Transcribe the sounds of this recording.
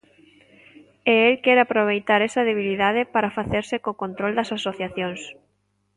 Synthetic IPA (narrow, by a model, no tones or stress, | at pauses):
eelkɛɾapɾoβ̞ejt̪aɾɛsɐðeβ̞iliðað̞ɪpaɾafaθeɾsɪkokont̪ɾold̪ɐsasoθjaθjoŋs